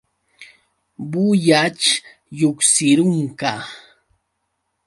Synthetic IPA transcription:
bʊjat͡ʃ | jʊksɪɾʊŋka

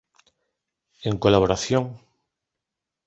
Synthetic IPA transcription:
eŋkolaβoɾaθjoŋ

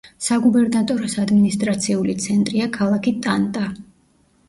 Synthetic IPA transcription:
saɡubɛɾnat̪ʼɔɾɔsad̪minist̪ʼɾat̪sʰiulit̪sʰɛnt̪ʼɾiakʰalˠakʰit̪ʼant̪ʼa

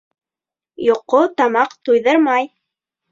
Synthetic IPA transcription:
joqːot̪ɑmɑqt̪ujðɤɾmɑj

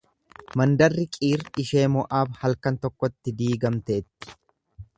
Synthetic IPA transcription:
mɐnd̪ɐrːɪkʼiːɾɪʃe̞ːmɔʔaːbhɐlkɐnt̪ɔkːɔt̪ːɪd̪iːɡɐmt̪eːt̪ːɪ̥

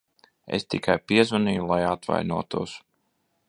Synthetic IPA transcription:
ḛst̪ikʰajpiɛzvaniːjulˠajat̪va̰jnuɔt̪ṵɔs

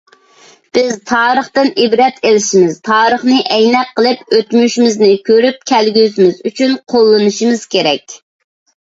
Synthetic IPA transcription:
b̥ɪzt̪ʰɑːɾəχt̪ɨnʔibɾɛt̪elɪʃimɪz̥t̪ʰɑːɾəχnɨʔɛjnɛqʰːəlˠɨpøt̪myʃmɪznɪkʲʰøɾyp̚kʲʰælɡʲyzmɪzyt͡ʃʰynqʰolˠːɨnɨʃimɪz̥kʲʰeɾɛkʲ

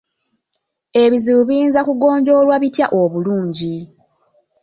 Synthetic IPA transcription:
e̞βiziβuβiːnzakuɡo̞ːɲɟo̞ːlwaβitjaʔo̞βuluːɲɟi

